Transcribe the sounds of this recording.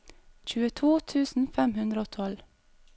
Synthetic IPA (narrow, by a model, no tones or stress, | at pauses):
c͡çʉːət̪ʰuːt̪ʰʉːsn̩fɛmhʉnd̪ɾəoːt̪ʰɔl